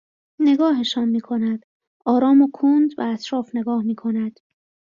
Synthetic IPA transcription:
ne̞ɡɒːɦeʃɒːnmiːkʰo̞næd̪̥ | ʔɒːɾɒːmokʰund̪bææt̪ʰɾɒːfne̞ɡɒːhmiːkʰo̞næd̪̥

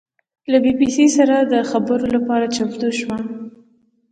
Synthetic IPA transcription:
labibisisaɾad̪əxabəɾolapɑɾat͡ʃapd̪uʃwa

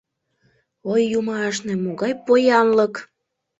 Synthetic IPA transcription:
ojːumɑʃnĕmoɣɑjpojɑnlək

